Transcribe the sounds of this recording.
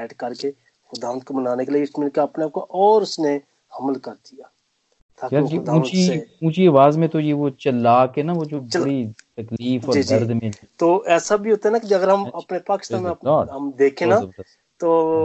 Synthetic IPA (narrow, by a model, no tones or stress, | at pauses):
ɛːʈkɐɾke | xʊd̪aːʋənt̪̚kobənaːnekeliɡɪʃmiːlkeɐpneaːp̚koʔɔːɾʊsne | hɐməlkɐɾd̪ijaː | t̪ʰaːkad͡ʒ̪ũːt͡ʃiũːt͡ʃiɐʋaːzmẽt̪ojeʋot͡ʃəlːaːkɦɛnaʋod͡ʒoːbt͡ʃəɽit̪ɐkliːfɔːd͡ʒ̪ɐɾd̪mẽ | t̪oːʔɛːsabʱiɦoːt̪aɦɛnaːkid͡ʒɐɡəɾɦɐmɐpnepaːkɪ̥ʃt̪aːnmẽɐpːɦɐmd̪eːkʰẽnaː | t̪oː